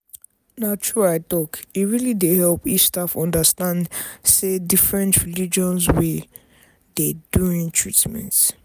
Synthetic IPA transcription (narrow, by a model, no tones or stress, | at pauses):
natʰɹuajt̪ɔkiɹilidehɛlpit͡ʃstafɔ̃ndəstãndsedifɹɛ̃ntʰɹilid͡ʒɔ̃nswɛ | deduĩŋtʰɹitmɛ̰̃nt